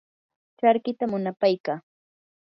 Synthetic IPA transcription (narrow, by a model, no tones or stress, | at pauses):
t͡ʃaɾkɪt̪amʊnapajkaː